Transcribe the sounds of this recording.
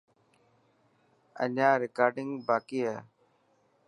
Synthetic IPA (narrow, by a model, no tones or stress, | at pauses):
ə̰naːɾɪkaːɾɖɪŋɡbaːkiːɦaː